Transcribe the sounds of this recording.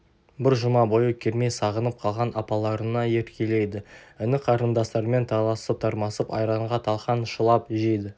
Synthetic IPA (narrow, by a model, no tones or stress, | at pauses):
bɪɾʒʊmɑbo̞jəkʲʰe̞ɾme̞jsɑʁənəp̚qʰɑlˠʁɑnɑpɑlˠɑɾənɑje̞ɾkʲʰe̞le̞jd̪ɪʏnɪqʰɑɾənd̪ɑst̪ɑɾme̞nt̪ʰɑlˠɑsəp̚t̪ʰɑɾmɑsəpɑ̰jɾɑɴʁɑt̪ʰɑlˠqɑnʃəlˠɑpʒe̞jd̪ɪ